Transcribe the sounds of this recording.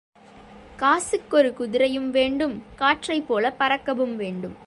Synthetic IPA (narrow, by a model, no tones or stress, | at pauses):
kaːsɯkːɔɾɯkʊðɪɾɐjɯmʋeːɳɖɯmkaːʈrɐɪpːoːlɐpɐɾɐkːɐʋɯmʋeːɳɖɯm